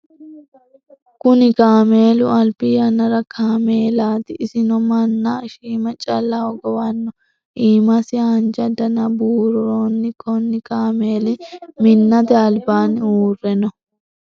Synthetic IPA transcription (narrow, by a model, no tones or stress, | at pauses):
kʊnɪkaːme̞ːlʊɐlpɪjɐnɐɾɐkʰaːme̞ːlaːt̪ɪɪsɪnɔmɐnːaʃiːmɐt͡ʃʼɐlːɐɔɡɔwɐnːɔ | ʔiːmɐsɪɐnd͡ʒɐd̪ɐnɐbuːɾʊɾoːnːɪkʰɔnːɪkʼaːme̞ːlɪmɪnːɐd̪ɐːlbaːnɪuːrːɛnɔ